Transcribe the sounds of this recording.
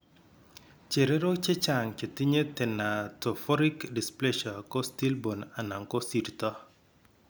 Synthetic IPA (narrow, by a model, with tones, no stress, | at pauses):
t͡ʃe˨ɾe˦ɾo˦t͡ʃɪ˦t͡ʃa˨ŋt͡ʃe˨tɪ˦ɲe˦tɪ˨nːa˨tɔ˨fɔ˦ɾɪ˦kdi˨sple˦ʃɔ˨kɔ˦sti˦lbo˨na˨na˨ŋkɔ˦si˨dtɔ˦